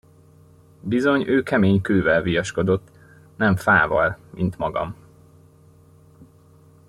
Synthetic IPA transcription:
bizo̞ɲøːkɛmeːɲkøːvɛlvijɒʃko̞d̪o̞t̪ː | nɛɱfaːvɒ̰lmint̪mɒɡɒ̰m

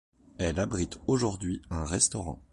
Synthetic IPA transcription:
ɛlabʁit̪oʒuʁd̪ɥiɛ̃ʁɛst̪ɔʁɑ̰̃

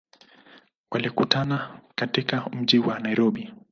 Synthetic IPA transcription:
walikutanakatikam̩ʄiwanaiɾɔɓi

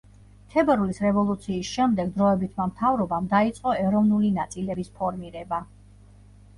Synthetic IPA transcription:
t̪ʰɛbɛɾulisɾɛvɔlˠut̪sʰiːsʃɛmd̪ɛɡd̪ɾɔɛbit̪ʰmamt̪ʰavɾɔbamd̪ait̪sʼqʼɔɛɾɔvnulinat̪sʼilɛbispʰɔɾmiɾɛba

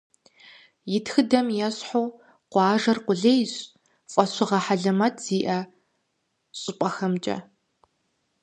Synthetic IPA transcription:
jɪtxɨdɐmjɛɕħoː | qʷɑːʒɐrqʷʊɮejɕʼ | fʼɐɕʷɪʁɐħaɮɨmɐtʰz̥iːʔɐ | ɕʼɪpʷʼɐxɐmt͡ʃʼɐ̰

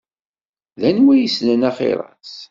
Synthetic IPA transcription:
ðænwæjəsnənæχɪ̰ɾˤɑ̰t͡s

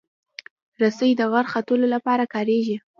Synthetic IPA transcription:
ɾasəjd̪əɣaɾxat̪əlolapɑɾakɑɾeʒi

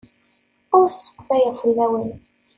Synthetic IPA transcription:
ʊɾsːə̥qːsæjəʁfəlːæwən

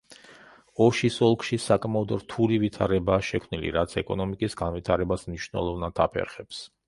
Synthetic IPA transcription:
ɔʃisɔlˠkʰʼʃisakʼmaɔd̪ɾt̪ʰulivit̪ʰaɾɛbaːʃɛkʰmnilḭɾat̪sʰɛkʼɔnɔmikʼisɡanvit̪ʰaɾɛbasmniʃnɛ̰lˠɔvnad̪ʰa̰pʰɛ̰ɾχɛps

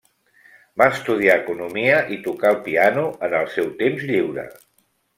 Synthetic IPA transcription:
baəst̪uð̞iaəkunumiəʔit̪ukaəlˠpianuənəlˠsɛwt̪emzʎiwɾə̰

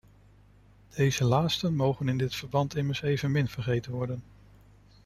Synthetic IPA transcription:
d̥ejzəlaːtstənmowχənɪndɪtfəɹbɑntɪməɹsejvənmɪnv̥əɹχejtənʋɔɹdən

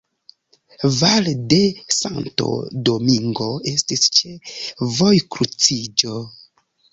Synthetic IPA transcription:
valdesa̰nto̞̰do̞miŋɡo̞e̞stist͡ʃevo̞jkɾut͡sid͡ʒo̞

